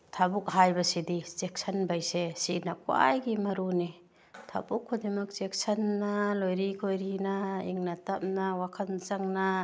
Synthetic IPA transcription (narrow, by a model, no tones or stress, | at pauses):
tʰabuk̚ɦajbɐsidizek̚sʰɐnbajsesinakwa̰jɡimɐɾuni | tʰa̰bukʰːodimɐk̚zek̚sɐnːalojɾikʰojɾinaiŋnatap̚nawakʰanzaŋna